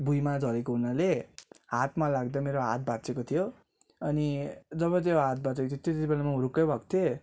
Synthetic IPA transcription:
bujmad͡zʱʌɾekoɦunaleɦat̪malaɡd̪ʌmeɾoɦa̰t̪̚bat͡sekot̪ʰijo | ʌnid͡zʌβʌt̪joɦat̪̚bʱat͡sekot̪ʰjot̪jeot̪et̪ibelamauɾukːʌjbʱʌkt̪ʰe

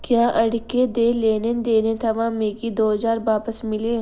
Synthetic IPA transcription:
kjaːʔɐɽked̪eːleːned̪eːnet̪ʰɐʋãmeːkid̪oːɦzaːɾbaːpəsmɪle

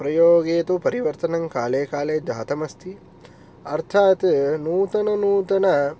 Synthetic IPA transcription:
pɾɐjoːɡeːt̪upɐɾiʋɐɾt̪ɐnɐŋkaːleːkaːleːd͡ʒaːt̪ɐmɐst̪ʰi | ɐɾt̪ʰaːt̪nuːt̪ɐnɐnuːt̪ɐnɐ

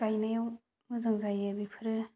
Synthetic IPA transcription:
kajnajaw | mɯzaŋzajabipʰɯɾɯ

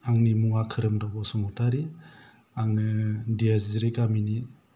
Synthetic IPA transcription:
aŋnimuŋakʰɯɾɯmdabɔsumɔtʰaɾi | aŋɯdiazzɾikamini

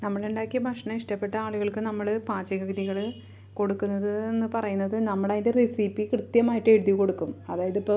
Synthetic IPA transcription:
nɐmːɐɭuɳɖaːkːibʱɐkʂɐɳɐiʂʈɐpːe̞ʈːɐaːɭuɣɐɭkɨnɐmːɐɭɨpaːt͡ɕːɐɣɐɣiðiɣɐɭ | ko̞ɽukːunːɐðɨenːɨpɐrɐjunːɐðɨnɐmːɐɭaːðinderisipːikrɨt̪jɐmaːjiʈːɨeɽuðjiko̞ɽukːumɐðaːjɐðipːoː

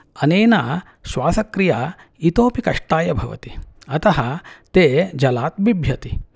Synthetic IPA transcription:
ɐneːnaː | ʃʋaːsɐkɾijaː | it̪oːpikɐʂʈaːjɐbʱɐʋɐ̰t̪iɐt̪ɐɦɐt̪eːd͡ʒɐlaːt̪̚bibʱjɐt̪i

